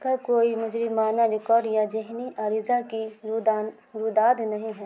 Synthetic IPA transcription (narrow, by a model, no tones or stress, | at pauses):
kakoːimʊd͡ʒɾɪmaːnaɾɪkɔːɾɖjad͡ʒɪɦniʔaɾɪzaki | ɾud̪aːd̪nɐɦĩɦɛː